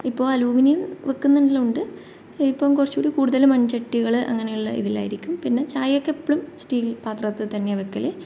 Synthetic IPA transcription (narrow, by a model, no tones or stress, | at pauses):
ipːo̞ːɐluːminijɐmʋekːunːɐniluɳɖɨ | ipːoːmkurɐt͡ɕːuːɽikuːɽuðɐlumɐnt͡ɕɐʈːiɣɐɭɨʔɐ̰ŋːɐnejuɭːɐḭðila̰ːjiɾikʲːumpinːe̞t͡ɕaːjɐkːepːɐɭumsʈiːlpaːt̪rɐt̪ːɨt̪ɐnːe̞ʋekːɐle